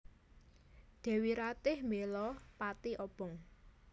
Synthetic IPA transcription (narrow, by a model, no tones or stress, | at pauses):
d̪̥ɛ̤wiɾat̪ɪhmelɔpat̪iʔɔb̥ɔŋ